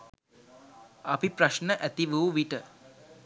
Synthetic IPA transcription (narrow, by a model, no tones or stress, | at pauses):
apipɾaʃnəʔæt̪iʋuːʋiʈə